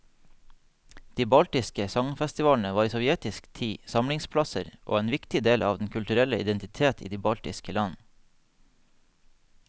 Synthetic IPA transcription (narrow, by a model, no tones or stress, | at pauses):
d̪̥iːbɑlt̪ɪskəsɑŋfɛst̪ɪʋɑːln̩əʋɑːɾiːsɔʋjɛt̪ɪskt̪ʰiːsɑmlɪŋspʰlɑsəɾʔo̰ːeːnʋɪkt̪ɪd̪eːlʔɑːʋd̪n̩kʰʉlt̪ʉɾɛləɪd̪ɛnt̪ɪt̪ʰeːt̪ʰḭːd̪iːbɑlt̪ɪ̰skəlɑn